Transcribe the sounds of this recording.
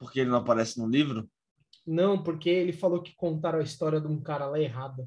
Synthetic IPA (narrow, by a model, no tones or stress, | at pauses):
poɾkeelɪnɐ̃w̃apaɾɛsɪnũlivɾʊ | nɐ̃w̃poɾkeelɪfalokɪ̥kõnt̪aɾɐ̃ɐist̪ɔɾiɐd̪ũkaɾɐlaeɦad̪ɐ